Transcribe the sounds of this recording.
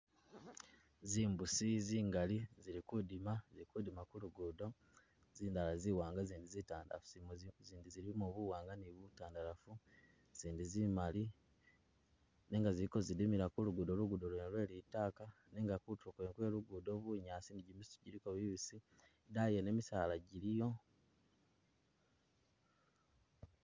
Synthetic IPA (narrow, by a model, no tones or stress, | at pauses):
ziːmbusiziːŋɡaliziɾikudimaziɾikudimakuluɡudo̞ | ziːndalaziːwaːŋɡaziːndizitaːnda̰afuzimziːndiziɾimuβuwaːŋɡaniβutaːndaɾafu | z̥iːndizimali | neːŋɡaziɾiko̞zidimiɾakuluɡudo̞luɡudolwenlwe̞ːlitaːka | neːŋɡakutukweŋkwe̞ːluɡudo̞βuɲaːsiniɟimisɟiɾiko̞βiβisi | dajene̞ːmisaːlaɟiɾijo̞